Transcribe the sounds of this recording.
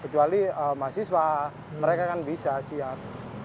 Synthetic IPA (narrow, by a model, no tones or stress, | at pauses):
kət͡ʃualiəmasɪswa | məɾekakanbisasia